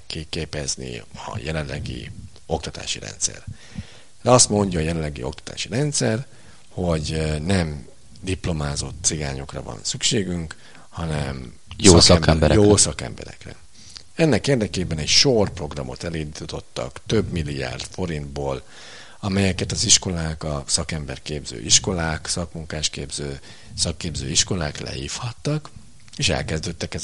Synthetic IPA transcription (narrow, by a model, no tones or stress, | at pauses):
kikeːpɛznḭɒ̰jɛlɛnllːʔɛɡḭ | o̞k̚t̪ɒt̪a̰ːʃiɾɛ̰nt̪sɛ̰r | d̪ɛɒst̪mo̞ɲɟɒːjɛlɛlːɛɡḭo̞kt̪ɒ̥t̪a̰ːʃiɾɛnt̪sɛr | ho̞ɟnɛm | d̪iplo̞maːzo̞t̪siɡaːɲo̞krɒ̰vɒ̰nsykʃeːɡyŋk | hɒnɛm | joskɛbɛjoːsɒkɛ̰mbɛ̰ɾɛ̰krɛ̰ | ɛnːɛkeːrd̪ɛkeːbɛnɛcʃorpro̞ɡrɒmo̞̰t̪ɛliːnd̪it̪o̞t̪ːɒ̰kt̪ø̞bmilːija̰ːrd̪fo̞ɾind̪boːl | ɒmɛjɛkɛt̪ɒziʃko̞laːkɒsɒkɛmbɛrkeːbzø̰ːʔiʃko̞laːksɒkmuŋkaːʃkeːbzøː | sɒkːeːbzø̰ːiʃko̞laːklɛ̰hiːfhɒt̪ːɒk | eːʃɛ̰lkɛzd̪øːt̪ːɛkɛ